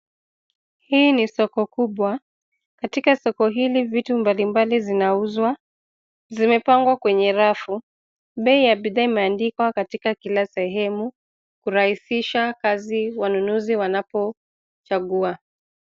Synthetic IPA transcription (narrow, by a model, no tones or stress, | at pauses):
hiːnisɔkɔkuɓwa | katikasɔkɔɦilivitumbalimbalizinauzwa | zimɛpaŋɡwakwɛɲɛɾafu | ɓɛijaɓiðaimɛandikwakatikakilasɛɦɛmu | kuɾahisiʃakaziwanunuziwanapɔ | t͡ʃaɠua